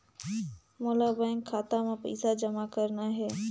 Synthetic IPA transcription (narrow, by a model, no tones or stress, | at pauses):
moːlaːbəɪ̃ŋkʰːaːt̪amãpə̰ɪsad͡ʒəmakəɾnaːɦeː